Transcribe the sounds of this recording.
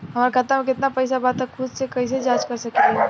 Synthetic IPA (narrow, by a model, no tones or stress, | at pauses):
hɐmaːɾekʰat̪amẽkɪt̪napɛːs̬abaːt̪ɛkʰʊd̪sekɐis̬ed͡ʒaːd͡ʒkɐɾsɐkt̪iɦɛ